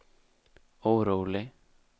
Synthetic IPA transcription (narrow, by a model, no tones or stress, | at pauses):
owɾowlɪ